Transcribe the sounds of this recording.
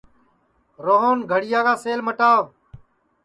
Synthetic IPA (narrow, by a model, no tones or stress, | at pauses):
ɾoːɦoːnɡʱəɽɪjaːɡaːseːlməʈaː